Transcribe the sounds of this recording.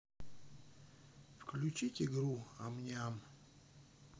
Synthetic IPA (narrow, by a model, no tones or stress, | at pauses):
fklʲʉt͡ɕitʲɪɡɾua̰mnʲam